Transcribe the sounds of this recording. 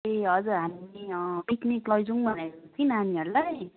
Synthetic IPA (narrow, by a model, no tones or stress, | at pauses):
eʌd͡zuɦamibikniʈlʌjd͡zuŋbʱʌnat͡sʰinɦaniɦʌɾula